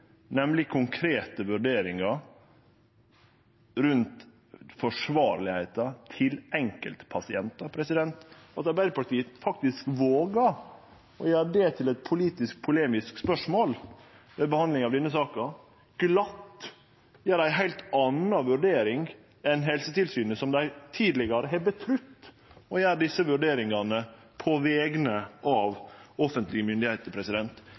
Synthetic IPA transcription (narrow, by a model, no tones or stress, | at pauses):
nɛmlɪkʰʊŋkʰɾeːt̪əʋʉɖeːɾɪŋɑ | ɾʉnt̪ | fɔʂʋɑːɾlɪhæɪt̪ɑt̪ʰɪlɛŋkə̰lt̪pʰɑsɪɛnt̪ɑpʰɾɛsɪd̪ɛnt̪ɑt̪ɑɾbæɪd̪əpɑʈiːəfɑk̚t̪ɪskʋoːɡɑ | ɔjæːdeːt̪ʰɪlɛt̪̚pʰʊliːt̪ɪsk̚pʰʊleːmɪskspœʂmoːl | ʋɛbəhɑnd̪lɪŋɑʋd̪ɛnːəsɑːkɑ | ɡ̥lɑt̪ː | jæːɾdæɪɦæɪlt̪ɑnɑʋʉɖeːɾɪŋ | ɛnɦɛlsət̪ɪlsyːnəsɔmd̪æɪt̪ʰiːd̪lɪɡɑɾəɦɛbət̪ʰɾʏt̪ː | ɔjæːɾɖɪsːəʋʉɖeːɾɪŋɑnə | pʰɔʋɛːɡnəʔɑʋɔfənt̪lɪɡəmʏnd̪ɪhæɪt̪əɾpʰɾɛsɪd̪ɛnt̪